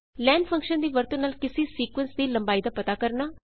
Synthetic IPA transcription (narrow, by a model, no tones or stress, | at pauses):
lɛːnpʰə̃ŋkʃənd̪iːʋəɾt̪õːnaːlkɪseːsiːkʋənsd̪iːlə̃mbaːid̪aːpət̪aːkəɾnaː